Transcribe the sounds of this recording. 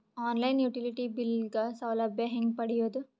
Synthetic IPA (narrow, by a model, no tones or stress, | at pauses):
aːnlɐjnjuːʈiliʈibilɡɐsɐwlɐbjɐɦeŋɡpɐɽijoːd̪u